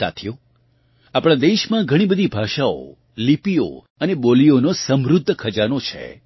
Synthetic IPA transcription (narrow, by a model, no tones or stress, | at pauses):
sa̰t̪ʰjo | apɽ̃ãd̪eʃmãɡʱəɽ̃ibəd̪ʱibʱaʃao̰ | lipio̰ | ənebolionosəmɾʊd̪ʱːəkʰəd͡ʒanot͡ʃʰḛ